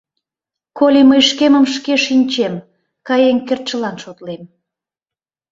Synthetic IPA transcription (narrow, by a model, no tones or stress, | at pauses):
kolʲiməjʃkeməmʃkeʃinʲt͡ɕem | kɑjeŋkert̪̚t͡ʃəlɑnʃot̪lem